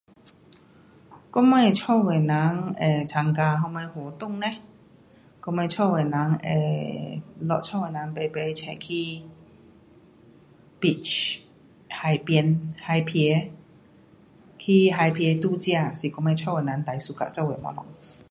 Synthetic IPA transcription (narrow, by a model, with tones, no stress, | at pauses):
kɔ˦˥me˥˧˩t͡ɕʰɔ˥˧˨we˨˩na˨˦ŋe˨˩t͡sʰa˨˧˦ŋka˧ɦɔ˧me˧hwɔ˨˩t̪ʊ˥˨ŋnẽ˧˦ | kɔ˧˥me˧t͡ɕʰɔ˥˧we˨˩na˨˦ŋḛ˨˩ | lɔ̰˧˨t͡ɕʰɔ˥˧˨we˨˩nã˨˦ŋpe˨˩pe˨˧˦jt͡ɕʰɛ̰˧˨kʰi˦ | pi˧t͡ʃ | ha˨˩jpjnha˧jpʰɛ˧˦ | kʰi˧ɦa˧jpʰjɛ˨˧˦t̪u˥˧˨t͡ɕja˥˧˨si˨˩kɔ˧˥me˧t͡ɕʰɔ˥˨we˨˩˨na˨˦ŋt̪a˨˩jsu˧ka̰˧˨t͡sɔ˥˧˨we˨˩mɔ̰˧˦nɔ̰˧˦ŋ